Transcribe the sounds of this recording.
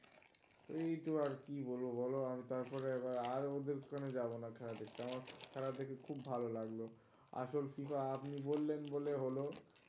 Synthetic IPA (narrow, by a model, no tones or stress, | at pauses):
ejt̪oaɾkibolbobʱɔloamit̪aɾpɔɾeebaɾaɾod̪eɾkkʰaned͡ʑaβonakʰɛɾad̪ekʰeamaɾkʰɛɾat̪ʰekekʰubːʱalolaɡlo | a̰ʃolfifaapnibolːenboleɦolo